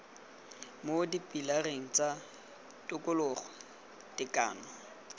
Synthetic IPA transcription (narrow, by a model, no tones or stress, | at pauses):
modipʼilareŋ̩t͡sʼa | tʼʊkʼʊlʊχɔ | dɪkʼa̰ːnɔ